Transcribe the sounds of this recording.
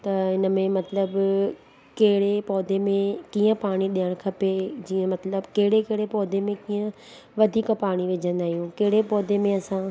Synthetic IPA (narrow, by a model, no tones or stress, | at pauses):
t̪ɐɦɪnə̆mẽmɐt̪ləb | kɐɦɪɽepɔːd̪ʱemẽkiːə̃paːɽ̃iɗijəɽ̃kʰɐped͡ʑiːə̃mɐt̪ləbkɐɦɪɽekeɦɪɽepɔːd̪ʱemẽkiːə̃ | ʋɐd̪ʱiːkpaːɽ̃iʋed͡ʑʱə̃nd̪aːɦijũkeɦɪɽepɔːd̪ʱemẽɐsã